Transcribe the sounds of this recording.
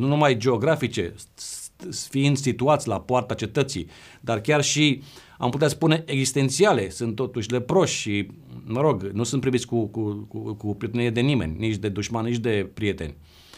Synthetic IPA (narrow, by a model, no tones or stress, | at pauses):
nunumajd͡ʒe̞o̞ɡɾafit͡ʃe̞̰ | fiind̪sit̪uat̪sʲlapoart̪at͡ʃe̞t̪ət̪sḭ | d̪arkʲarʃi | a̰mput̪easpune̞ʔeɡzist̪e̞nt̪siale̞sɨnt̪ːo̞t̪uʃʲle̞pɾo̞ʃʃi | məɾo̞ɡnusunt̪pɾivit̪sʲkukuukupiet̪enʲied̪e̞nimḛnʲnit͡ʃʲd̪e̞d̪uʃmanːit͡ʃʲd̪e̞pɾije̞t̪e̞̰nʲ